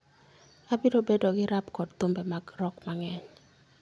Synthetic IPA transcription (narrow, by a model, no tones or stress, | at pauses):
abɪdobedoɡɪɾapkɔdt̪ʊmbɛmaɡɾɔkmaŋɛɲ